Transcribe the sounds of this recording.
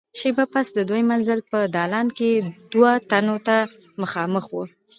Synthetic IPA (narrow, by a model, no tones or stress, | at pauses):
ʃebapasd̪əd̪ojmanzəlpəd̪ɑlɑnked̪wat̪anot̪a | məxɑməxwu